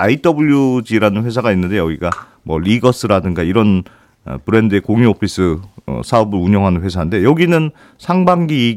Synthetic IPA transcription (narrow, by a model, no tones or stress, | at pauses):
ait͈ʌbɯʎjud͡ʑiɾanɯnɸe̞s̬ʰaɡainːɯnde̞jʌɡiɡa | mwʌɾiɡʌs͈ʰɯɾadɯŋɡaiɾʌn̰ | pɯɾe̞ndɯekoŋiopʰis͈ɯ̰sʰaubɯɾuɲʌŋɦanɯnɸwe̞sʰaɦande̞jʌɡinɯn | sʰaŋbaŋɡiː